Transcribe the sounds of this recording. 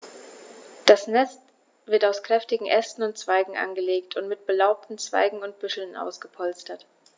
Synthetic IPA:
d̥asnɛst | v̥ɪɐtaʊskʁ̥ɛftɪɡŋ̩ʔɛstn̩ʊnt̚t͡sv̥aɪɡŋ̩ʔa̰nɡəleːktʰʊntmɪt̚b̥əlaʊp̚tn̩t͡sv̥a̰ɪɡŋ̩ʊnt̚b̥ʏʃl̩nʔa̰ʊsɡ̥əpʰɔlstɐt

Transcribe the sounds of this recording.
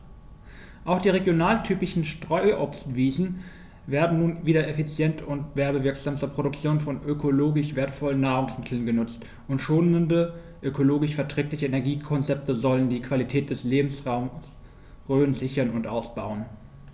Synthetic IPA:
ʔaʊxd̥iːʁeɡjonaːltʰyːpɪʃn̩ʃtʁ̥ɔʏʔɔpstv̥iːzn̩ | veːɐdn̩nuːnviːdɐefit͡sjɛntʰʊntv̥ɛɐbəvɪɐkz̥aːmstɐpʁ̥oɾʊk̚t͡sjoːnfɔnʔøkʰoloːɡɪʃv̥eːɐtfɔlənːaːʁ̞ʊŋsmɪtʰl̩nɡənʊt͡st | ʔʊntʃoːnəndə | ʔøkoloːɡɪʃfɛɐtʁ̥ɛːklɪçəenɛɐɡiːkʰɔnt͡sɛp̚təzɔləndiːkʰv̥alitʰɛːt̚d̥ɛsleːbm̩sʁaʊm | ʁøːənzɪçɐnʊntʔa̰ʊsb̥aʊən

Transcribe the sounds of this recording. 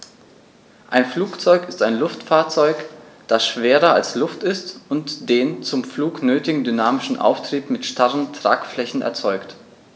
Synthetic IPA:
ʔaɪnfluːkt͡sɔʏkɪstaɪnlʊftfaːɐt͡sɔʏk | d̥asʃv̥eːʁɐalslʊftɪstʊntd̥eːnt͡sʊmfluːknøːtɪɡŋ̩dynaːmɪʃn̩ʔa̰ʊftʁ̥iːpmɪtʃtʰaʁəntʁ̥a̰ːkflɛçn̩ɛ̰ɐt͡sɔʏkt

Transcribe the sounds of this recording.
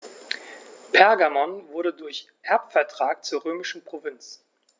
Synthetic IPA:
pʰɛɐɡamɔnvʊɐɾədʊɐç | ʔɛɐpfɛɐtʁ̥aːk̚t͡suːɐʁøːmɪʃn̩pʁ̥ovɪnt͡s

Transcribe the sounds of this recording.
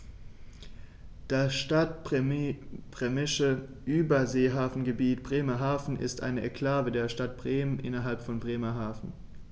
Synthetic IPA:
d̥asʃtat | b̥ʁɛmɪʃə | ʔyːbɐzeːɦaːfn̩ɡəbiːtb̥ʁeːmɐɦaːfn̩ʔɪ̰stʔa̰ɪnəʔɛkʰl̥aːvədeːɐʃtat̚b̥ʁeːmənʔɪ̰nɐɦalpfɔnbʁeːmɐɦaːfn̩

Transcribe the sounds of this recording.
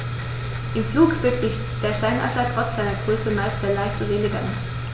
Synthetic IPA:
ʔimfluːkv̥ətiç | d̥ɛːɐʃtaɪnʔa̰tɐtʁ̥ɔt͡sz̥aɪnɐɡ̥ʁœsəmaɪstɐlaɪʃtəʁeːləɡæ̰n

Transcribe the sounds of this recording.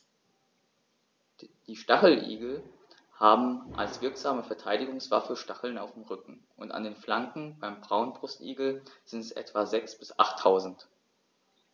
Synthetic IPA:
d̥iːʃtaχl̩ʔḭːɡl̩ | haːbm̩ʔa̰lsv̥ɪɐkz̥aːməfɛɐtʰaɪdɪɡʊŋsv̥afəʃtaχl̩naʊfd̥emʁʏkŋ̩ʔʊnta̰ndeːnflaŋkŋ̩baɪmbʁaʊnbʁʊstʔḭːɡl̩z̥ɪntɛsʔɛ̰tv̥azɛksb̥ɪsʔa̰χtʰːaʊzn̩t

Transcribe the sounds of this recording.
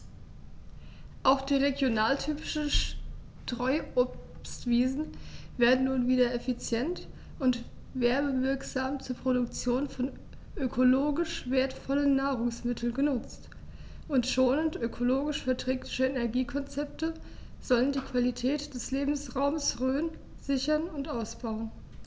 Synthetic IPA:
ʔaʊxd̥iːʁeɡjonaːltʰyːpɪ̥ʃn̩ʃ | tʁ̥ɔʏopstv̥iːzn̩veːɐdn̩nuːnviːdɐɛfit͡sjɛnt | ʔʊnt | veːɐbəvɪɐkz̥aːmt͡suːɐpʁ̥oɾʊkt͡sjoːnfɔn | ʔøkʰoloːɡɪʃv̥eːɐtfɔlənːaːʁʊŋsmɪtʰl̩nɡənʊt͡st | ʔʊntʃoːnəntʔøkʰoloːɡɪʃfɛɐtʁ̥ɛːklɪʃəɛnɛɐɡiːkʰɔnt͡sɛp̚təz̥ɔləndiːkv̥alitʰɛːtd̥ɛsleːbm̩sʁaʊməsʁøːən | z̥ɪçɐnʊntʔaʊsb̥aʊən

